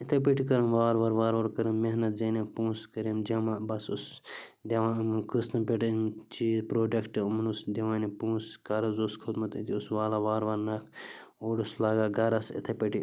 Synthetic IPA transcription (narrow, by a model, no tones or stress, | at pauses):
it̪ʰɐp̬eʈikɐɾɐmʋaːɾʋɐɾʋaːɾʋɐɾkɐɾɐmːeɦnɐt̪̚zenepũːskɐɾemd͡ʒɐmabɐsusd̪ʲɐʋãːmkɨst̪ɐmpʲeʈnt͡ʃiːzpɾoːɖɐkʈɨumɐnusd̪ɐʋaːnipũːskɐɾɐzoskʰud̪mɐt̪it̪ʲiusʋaːlɐʋaːɾʋɐɾnɐkʰ | oːɖuslaːɡaɡɐɾɐsḭt̪ʰɐpɐʈi